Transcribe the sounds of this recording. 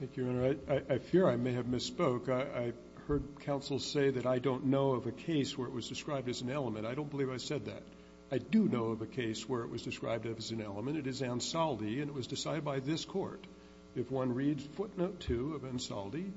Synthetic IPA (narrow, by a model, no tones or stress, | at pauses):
θæ̃ŋkjʉɛ̃nə˞aɪʔaɪʔaɪfɪɹaɪmeɪɨvmɨspoʊkaɪʔaɪ | hɜ˞d̚kʰãʊ̃nsl̩ˠz̥seɪðɨɾaɪdõʊ̃nːoʊʌvɨkʰeɪswə˞ɨʔ̚wʌzdɨskɹaɪb̚dɨzn̩ɛlˠəmɨ̃ñtaɪɾõʊ̃nbəlivaɪsɛd̪̚ðɨ̰ɾ | aɪdɨnoʊʌvɨkʰeɪswə˞ɨʔ̚wʌzdɨskɹa̰ɪb̚dʌvɨzn̩ɛlˠəmɨ̃ñtɨɾɨzæ̃nsɑlˠdiɨ̃nɨt̚wʌzdɨsaɪɾɨd̚baɪðɪskʰɔ̰ɹɾ | ɨfwʌ̃nɹidz̥fʊtⁿnoʊtʰʉʌvæ̃nsɑ̰lˠdi